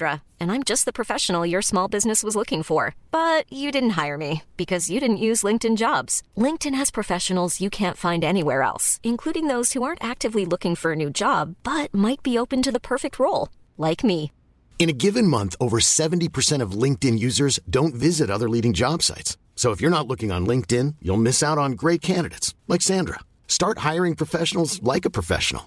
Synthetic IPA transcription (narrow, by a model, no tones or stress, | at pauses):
ɹə | ɨ̃nãɪ̃md͡ʒʌst̪̚ðəpʰɹ̥ɨfɛʃə̃n̩l̩ˠjə˞smɔlˠbɪznɨswʌzlʊkɪ̃ŋfə˞b̥ʌt͡ʃɨdɪdⁿn̩t̚ɦaɪə˞mib̥ɨkʰʌzjɨɾɪdⁿn̩ʔjʉzlɪ̃ŋk̚tɨ̃nd͡ʒɑbz̥lɪ̃ŋk̚tɨ̃nɨz̥pʰɹ̥ɨfɛʃɨn̩l̩ˠzjɨkʰæ̃ntfãɪ̃ndɛniwɛ̰ɹɛ̰lˠsɨ̃nkʰl̥uɾɪ̃ŋðoʊz̥huɑɹntæk̚tɨvlilʊkɪ̃ŋfə˞ɨnʉd͡ʒɑbb̥ʌt̚maɪt̚b̥ioʊpɨ̃ntɨðəpʰɜ˞fɨk̚t̚ɹoʊlˠ | laɪkmi | ɨ̃ñɨɡɪvɨ̃nmʌ̃nθoʊvə˞sɛṽn̩tipʰə˞sɛ̃ɾ̃ʌvlɪ̃ŋk̚tɨ̃njʉzə˞zdõʊ̃ntvɪzɨɾʌðə˞liɾɪ̃ŋd͡ʒɑb̥sa̰ɪts | soʊəfjə˞nətˡlʊkɪ̃ŋə̰̃nlɪ̃ŋk̚tɪ̃njṵlˠmɪsaʊɾn̩ɡɹeɪt̚kʰæ̃ndɨɾɨ̰ɪtslaksæ̃ndɹə̰ | stɑɹt̚haɪə˞ɪ̃ŋpʰɹ̥ɨfɛʃn̩l̩ˠzlaɪkəpʰɹ̥əfɛ̰ʃn̩̰l̩ˠ